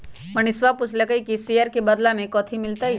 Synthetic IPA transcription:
məɳisʋaput͡ʃʰləkəikisiaɾkebəd̪lamẽkɔːt̪ʰimɪlt̪ai

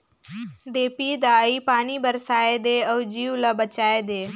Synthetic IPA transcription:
d̪eːpiːd̪aːipaːnibəɾsaːed̪eːəːd͡ʒiːʋləbət͡ʃaːed̪eː

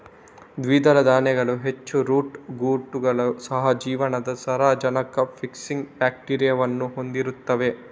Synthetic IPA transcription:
d̪ʋiːd̪ɐlɐd̪aːnɛɡɐɭuɦet͡ʃːuɾuːʈɡuːʈːuɡɐɭɐsɐɦɐd͡ʒiːʋɐnɐd̪ɐsɐɾaːd͡ʒɐnɐkɐpʰiksiŋɡbaːk̚ʈiːɾijɐʋɐnːuɦo̞nd̪iɾut̪ːɐʋe̞

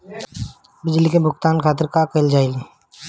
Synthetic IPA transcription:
bɪd͡ʒlikebʱʊkt̪aːnkʰaːt̪ɪɾkakəld͡ʒaːil

